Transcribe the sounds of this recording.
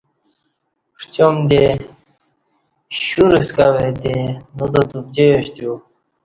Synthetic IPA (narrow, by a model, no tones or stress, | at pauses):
ʂt͡ɕomd̪e | ɕuɾiskawed̪enud̪at̪ub̚d͡ʑejoɕt̪ju